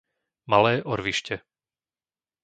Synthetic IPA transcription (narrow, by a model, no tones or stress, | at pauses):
malɛːʔɔɾʋiʃcɛ